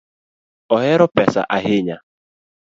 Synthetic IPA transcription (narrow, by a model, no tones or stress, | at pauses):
ɔɦɪɾʊpɛsa̰ʔaɦɪɲa